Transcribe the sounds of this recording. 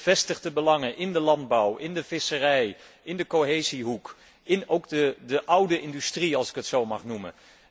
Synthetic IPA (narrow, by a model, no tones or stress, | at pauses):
v̥ɛstəχdəbəlɑŋənʔɪndəlɑnd̚bʌwɪndəvɪsərɛjɪndəkoɦejziɦuk | ɪnowɡdədəʔʌwdəɪndystriɑlˠsɪ̥kətsowmɑχnumə̰